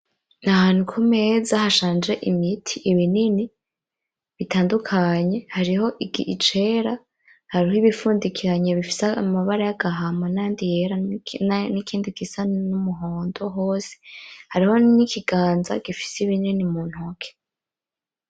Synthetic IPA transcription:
nahaːn̥ukʰume̞ːzahaʃaːnd͡ʒe̞ʔimitʰiʔiβinini | βitaːndukʰaɲe̞haɾiho̞ʔiɡḭʔit͡ʃe̞ːɾa | haɾiɦoiβifuːndikʰiɾaɲeβifi̥seaamaβaɾajaɡaɦamɡanajaːndije̞ɾa | nikʰiːndikisannumuɦoːndoɦo̞ːse̥haɾiho̞nikʰiɡ̥aːnza̰ɡ̥ifi̥seiβininimuːn̥hokʰe̥

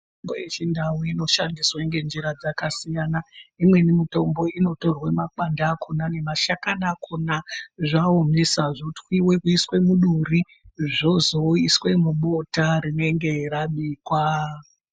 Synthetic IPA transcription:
mbojet͡ʃindawuino̞ʃandiswaiŋɡe̞nd͡ʒiɾad͡zakasijanaimwe̞nimito̞mbo̞ino̞to̞rwemak͡pandakunane̞maʃakanakʰunaʐaomesaʐotwiwe̞kuiswe̞muɗuri | ʐozo̞iswe̞mumotaɾine̞ŋɡe̞ɾaɓiːkwa

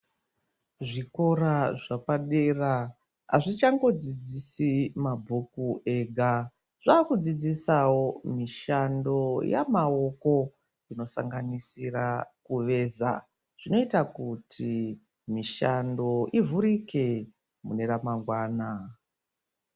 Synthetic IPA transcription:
ʐiko̞raʐapaɗera | a̰ʐit͡ʃaŋɡo̞d͡zid͡zisimabʱukuʔe̞ɡʱa | ʐ̥aːkud͡zid͡zisawomiʃando̞ja̰mao̞ko̞ | ino̞sa̰ŋɡanisirakuʋe̞za̰ | ʐ̥ino̞itakutʰi | miʃando̞ʔivuɾike̞ | mune̞ramaŋɡwaːna

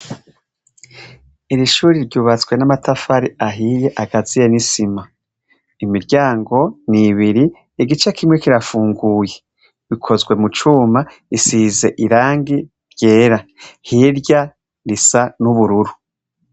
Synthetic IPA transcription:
iɾiʃuːɾiɾɟuːβat͡swe̞namatʰafaɾiaɦije̞ʔaɡazijenisima | imiɾɟaːŋɡo̞niβiɾiː | ɡit͡ʃekʰimŋe̞kiɾafuːŋɡuːje̞ | βikʰo̞zɡwe̞mut͡ʃuːma | isize̞ʔiɾaːŋɡi | ɾje̞ːɾahiɾɟa | ɾisanuβuɾuɾu

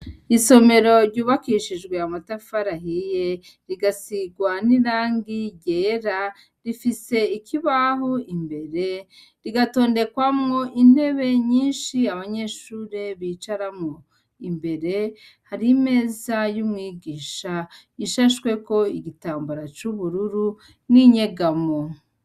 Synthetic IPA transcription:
iso̞me̞ɾo̞ɾɟuːβakiʃid͡ʒɡwe̞amatafaɾaɦije | ɾiɡasiɡwaniɾaːŋɡiɟeɾa | ɾifise̞ikʰiβaɦoimbe̞ɾe̞ | ɾiɡato̞ːnde̞kwamŋo̞ʔin̥e̞βe̞ɲiːnʃiaβaɲe̞ʃuːɾe̞βiːt͡ʃaɾamŋo | imbe̞ɾe̞ | haɾime̞ːzajumŋiːɡiːʃa | iʃaʃkwe̞ko̞iɡitaːmbuɾat͡ʃuβuɾuɾu | niɲe̞ɡamo

